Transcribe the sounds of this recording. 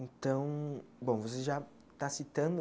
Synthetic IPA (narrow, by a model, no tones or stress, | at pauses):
ẽt̪ɐ̃w̃bõvoseʒa | t̪asit̪ɐ̃nd̪ʊ